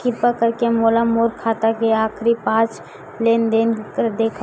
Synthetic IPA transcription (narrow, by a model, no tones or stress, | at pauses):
kɪpakəɾkemoːlamoːɾkʰaːt̪akeaːkʰɾipãːt͡ʃ | leːnd̪eːnkd̪eːkʰ